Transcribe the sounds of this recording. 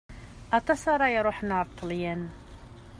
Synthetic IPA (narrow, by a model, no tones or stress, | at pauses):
ʔɑt̪ˤɑsˤɑɾˤɑjɾuħnɑɾt̪ˤʰːljən